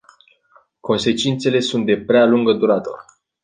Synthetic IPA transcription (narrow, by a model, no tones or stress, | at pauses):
ko̞nse̞t͡ʃint̪se̞le̞sunt̪̚d̪e̞pɾealuŋɡəd̪uɾat̪o̰r